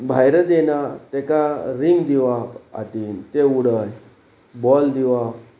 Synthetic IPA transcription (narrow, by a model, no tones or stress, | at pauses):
bʱajɾəd͡zenat̪ɛkaɾimd̪iʋapa̰t̪int̪euɽəj | bɔld̪iʋap